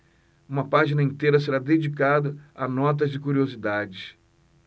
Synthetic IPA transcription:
ũmɐpaʒinɐẽnt̪eɾɐseɾad̪ed͡ʒikad̪ɐɐnɔt̪̬ɐzd͡ʒɪkuɾiozid̪ad͡ʒɪs

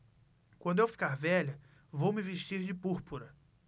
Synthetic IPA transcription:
kwɐ̃nd̪ʊewfi̥kaɾvɛʎɐ | vowmɪveʃt͡ʃiɾd͡ʒɪpuɾpuɾɐ

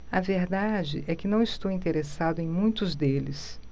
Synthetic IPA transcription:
ɐveɾd̪ad͡ʒɪ̰ʔɛkɪnɐ̃w̃ɪst̪owĩnt̪eɾesad̪ʊẽj̃mũj̃t̪ʊzd̪elɪs

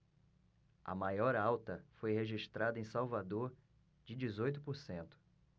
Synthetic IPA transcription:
ɐ̰majɔɾawt̪ɐfojheʒiʃt̪ɾad̪ɐẽsawvad̪oɾ | d͡ʒɪd͡ʒizojt̪ʊpoɾsẽnt̪ʊ̥

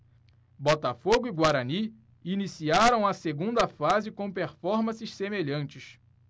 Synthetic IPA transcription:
bɔt̪ɐfoɡʊiɡwaɾɐni | inisiaɾɐ̃w̃ɐseɡũnd̪ɐfazɪkõw̃peɾfɔɾmɐ̃sɪʃsemeʎɐ̃nt͡ʃɪʃ

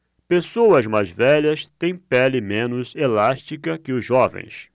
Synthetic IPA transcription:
pesowɐzmajzvɛʎɐst̪ẽj̃pɛlɪmẽnʊzelaʃt͡ʃikɐkɪʊzʒɔvḛ̃j̃s

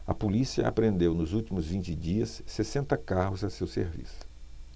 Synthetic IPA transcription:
ɐ̰polisiɐ̰ʔa̰pɾẽnd̪ewnʊzuwt͡ʃimʊzvĩnt͡ʃɪd͡ʒiɐsːesẽnt̪ɐkaɦʊzɐsewsḛɾvḭsʊ̥

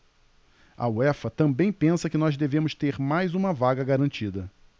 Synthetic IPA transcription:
ɐ̰wɛfɐt̪ɐ̃mbẽj̃pẽsɐkɪnɔzd̪evẽmʊst̪eɾmajzũmɐvaɡɐɡaɾɐ̃nt͡ʃid̪ɐ

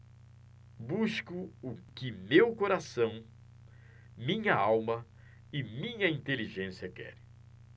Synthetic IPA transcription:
buʃkʊʊkɪmewkoɾasɐ̃w̃ | mĩɲɐawmɐ | ɪmĩɲɐĩnt̪eliʒẽsiɐkɛ̰ɾ

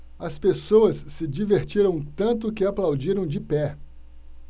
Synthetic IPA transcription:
ɐspesowɐsːɪd͡ʒiveɾt͡ʃiɾɐ̃w̃t̪ɐ̃nt̪ʊkɪaplawd͡ʒiɾɐ̃w̃d͡ʒɪpɛ

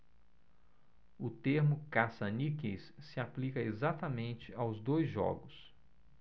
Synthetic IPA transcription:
ʊt̪eɾmʊkasɐnikesːɪaplikɐezat̪ɐmẽnt͡ʃɪawzd̪ojzʒɔ̰ɡʊs

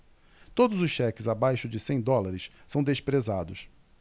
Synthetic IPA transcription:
t̪od̪ʊzʊsʃɛkɪzabajʃʊd͡ʒɪsẽj̃d̪ɔlaɾɪʃsɐ̃w̃d̪espɾezad̪ʊs

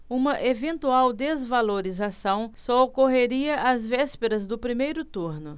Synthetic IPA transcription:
ũmɐʔevẽnt̪uawd̪ezvaloɾizasɐ̃w̃sɔokoɦeɾiɐʔazvɛspeɾɐzd̪ʊpɾimejɾʊt̪uɾnʊ

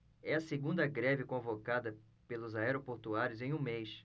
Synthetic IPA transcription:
ɛɐseɡũnd̪ɐɡɾɛvɪkõvokad̪ɐ | pelʊzaɛɾopoɾt̪uaɾjʊzẽj̃ũmejs

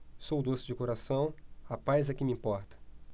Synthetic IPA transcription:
sowd̪osɪd͡ʒɪkoɾasɐ̃w̃apajzɛkɪmɪĩmpɔɾt̪ɐ̥

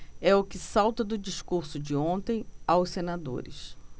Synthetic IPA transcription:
ɛʊkɪsawt̪ɐd̪ʊd͡ʒiʃkuɾsʊd͡ʒɪõnt̪ẽj̃awssenad̪o̰ɾɪ̰s

